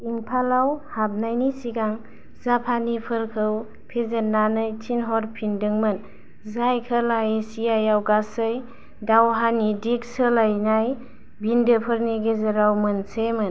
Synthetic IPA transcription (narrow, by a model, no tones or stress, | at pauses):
iŋpʰalawhab̚najnisiɡaŋ | zapʰanipʰɯɾkʰɯw | pʰezənːanɯjtʰinɦɔɾpʰindɯŋmɯn | zajkʰəlajsijajawɡasɯj | dawɦanidik̚səlajnaj | bindɯpʰəɾniɡezəɾawmɯnsemɯn